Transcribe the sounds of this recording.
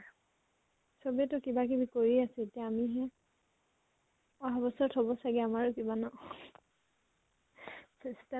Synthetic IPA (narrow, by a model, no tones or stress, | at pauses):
sobiɛtʊkibak̬ibikoɹiasɛetijaːmiɦɛ | ɔɦabɔsɔtɦɔbɔsaɡɛamaɹʊkibanɔ | sesta